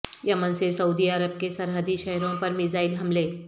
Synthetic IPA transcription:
jɐmənsesɐuːd̪iɐɾəb̚kesɐɾɦəd̪iʃɛɦɾõpɐɾmɪzaːɪlɦɐmleː

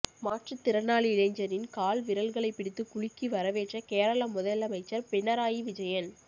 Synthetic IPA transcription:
maːʈrɐt̪ːɪɾɐnːaːɭiɪlɐɪɲd͡ʒɐɾɪnkaːlʋɪɾɐlɣɐɭɐɪpːɪɽɪt̪ːɯkʊɻɪkːiʋɐɾɐʋeːʈrɐkeːɾɐɭɐmːʊðɐlɐmɐɪt͡ʃːɐɾpɪnːɐɾaːjiʋɪd͡ʒɐjɐn

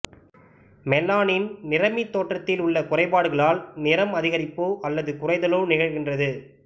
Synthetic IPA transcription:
mɛlːaːnɪnnɪrɐmit̪ːoːʈrɐt̪ːɪlʊɭːɐkʊrɐɪpaːɽɯɣɐɭaːlnɪɾɐmɐðɪɣɐɾɪpːoːʔɐlːɐðɯkʊrɐɪðɐloːnɪɣɐɭɣɪndrɐðɯ

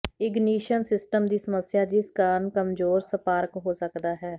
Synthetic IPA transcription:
ɪɡniːʃənsɪsʈəmd̪iːsəməsːɪjaːd̪iːskaːnkəmzoːɾsəpaːɾkɦoːsəkd̪aːɦɛː

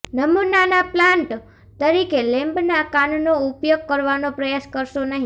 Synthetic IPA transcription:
nəmunanaplãɳʈ | t̪əɾikelɛ̃mbnakannoupjoɡ̚kəɾʋanopɾəjaskəɾʃonəɦĩ

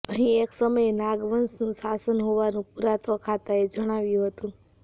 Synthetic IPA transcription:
əɦĩeksəməjenaɡʋənsnũsasənɦoʋanũpuɾat̪ʋəkʰat̪aed͡ʒəɽ̃aʋjũɦət̪ũ

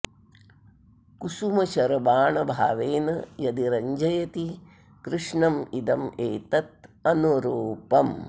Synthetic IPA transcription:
kusumɐʃɐɾɐbaːɳɐbʱa̰ːʋeːnɐjɐd̪iɾɐɲd͡ʒɐjɐt̪i | kɾɨʂɳɐmid̪ɐmeːt̪ɐt̪̚ɐnuɾoːpɐm

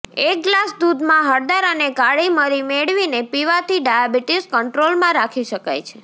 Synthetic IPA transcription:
ek̚ɡlasd̪ud̪mãɦəɾd̪aɾəneɡaɭiməɾimeɭʋinepiʋat̪ʰiɖajabiʈiskəɳʈɾolmãɾakʰiʃəka̰jt͡ʃʰe

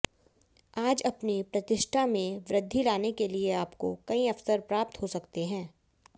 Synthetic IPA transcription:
aːd͡ʒɐpnipɾɐt̪ɪʃʈʰamẽʋɾɪd̪ʱːilaːnekelieaːpko̰kɐĩɐfsəɾpɾaːp̚t̪ɦosɐkt̪eɦɛ̃ː

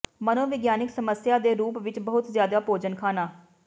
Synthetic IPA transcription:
mənõːʋɪɡjaːnɪksəməsjaːd̪eːɾuːpʋɪt͡ʃbəɦʊt̪zjaːd̪aːpoːd͡ʒənkʰaːnaː

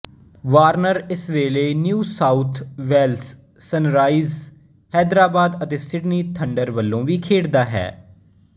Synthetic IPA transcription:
ʋaːɾnəɾɪsʋeːleːnjuːsaːut̪ʰʋɛːlsː | ənɾaːiːz | hɛːd̪ɾaːbaːd̪ət̪eːsɪɖniːt̪ʰəɳɖəɾʋəlːõːʋiːkʰeːɽd̪aːɦɛ̰ː

